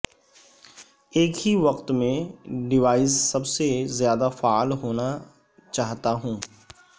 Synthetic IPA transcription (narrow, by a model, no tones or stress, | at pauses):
eːkɦiʋɐqt̪mẽɖɪʋaːɪssɐbsezjaːd̪afaːlɦoːna | t͡ʃaːɦt̪aɦũː